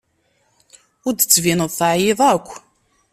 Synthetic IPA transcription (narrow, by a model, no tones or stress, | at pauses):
ʊɾd̪ət͡sːvinəðˤθʕjɪðˤækʷː